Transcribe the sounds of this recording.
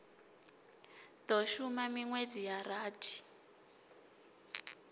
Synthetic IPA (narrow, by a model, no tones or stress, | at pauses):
t̪ɔʃumamiŋwed͡zijaraːtʰi̥